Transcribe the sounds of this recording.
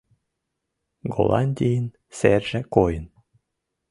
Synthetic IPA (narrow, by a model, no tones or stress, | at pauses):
ɡo̰lˠʔɑ̰nʲd̪ʲijin | serʒĕkojən